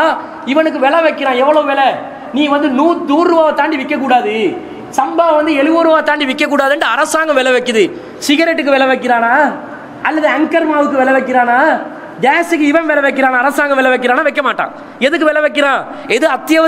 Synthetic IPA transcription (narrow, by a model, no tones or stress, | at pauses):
ɪʋɐnɯk̬ːɯʋɛɭɐʋɐɪkːɪɾãːɛʋːɐɭoːʋɛɭɛ | niːʋɐnd̪ɯnuːd̪uːɾɾɯːʋaːʋɐt̪aːɳɖiʋɪkːɐk̬ːuːɽaːðɯ | sɐmbaːʋɐnd̪ɯɛɭɯʋoːɾɯʋaːɐt̪aːɳɖiʋɪkːɐk̬ːuːɽaːðɯɳɖɯɐɾɐsaːŋɡɐ̃ʋɛɭɐʋɐkːɯðɯ | sɪɣɐɾɛʈːɯkːɯʋɛɭɐʋɐk̬ːɪɾaːnaː | ɐlːɐðɯɐŋkɐɾmaːʋɯk̬ːɯʋɛɭɐʋɐɪk̬ːɪɾaːnaː | ɡaːsɯkːɯɪʋɐ̃nʋɛɭɐʋɐkːɪɾaːnaːɾɐsaːŋɡɐ̃ʋɛɭɐʋɐɪkːɪɾãːnaːʋɐɪkːɐmaːʈːã̰ː | ɛðɯkːɯʋɛɭɐʋɐɪk̬ːɪɾãː | ɛðɯɐt̪ːɪjɐʋɐ